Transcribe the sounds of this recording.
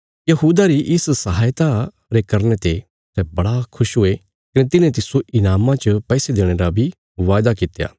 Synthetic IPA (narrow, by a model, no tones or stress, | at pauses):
jɐɦuːd̪aɾiʔɪssɐɦaːjt̪a | ɾekɐɾnet̪e | sɛbɐɽakʰʊʃɦʊe | kɐnẽt̪ɪnẽt̪ɪsoʔɪnaːmãt͡ʃəpɛːsed̪eːɽ̃eɾabʱi | ʋaːjd̪akɪt̪ja̰ː